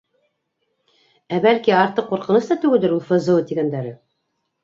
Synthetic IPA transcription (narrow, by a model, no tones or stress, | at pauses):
æbælkiɑɾt̪ɤqːuɾqɤ̆nɤst̪ɑt̪ʉɡɘ̆ld̪ɘɾulˠfɤ̆zɤ̆wɤt̪iɡænd̪æɾɘ